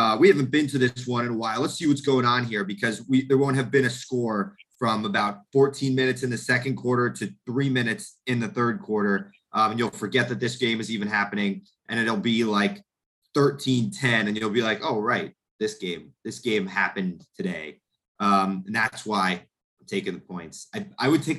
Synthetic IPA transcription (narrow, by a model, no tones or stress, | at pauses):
ʌwihævɨ̃n̩b̥ɨ̃ntʰɨðɪswʌ̃ñɨ̃nəwaɪlˠlətsiwʌtsɡ̥oʊɪ̃ŋə̃nɦiɹbɨkʰʌzwiðə˞wõʊ̃nt̚ɦɨvbɨ̃ɾ̃ɨskɔɹfɹʌ̃məbaʊt̚fɔɹtʰĩnmɪ̃ñɨtsɨ̃nðɨsɛkɨ̃nkʰw̥ɔɹɾə˞ɾɨθɹimɪ̃ñɨtsɨ̃nðɨθɜ˞d̚kʰw̥ɔɹɾə˞ | ʔʌ̃ɨ̃njʉlˠfə˞ɡɛt̪̚ðɨt̪̚ðɪsɡ̥ẽɪ̃mɨzivɨ̃nɦæpɨnɪ̃ŋ | ʔɨ̃ñɨl̩ˠbilaɪk | θɜ˞tʰĩntʰɛ̃nɨ̃njʉl̩ˠbilaɪkoʊɹaɪt̪̚ | ðɪsɡ̥ẽɪ̃mðɪsɡ̥ẽɪ̃mhæpɨ̃ntʰɨɾeɪ | ʔʌ̃mɨ̃nðætswaɪ | ãɪ̃mtʰeɪkɪ̃ŋðəpʰɔ̃ɪ̃ntsaɪaɪwɨd̚tʰeɪk̚